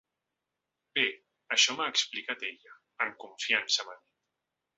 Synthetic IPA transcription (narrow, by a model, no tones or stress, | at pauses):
be | əʃɔmaːksplikat̪eʎaː | ŋkuɱfiansəmami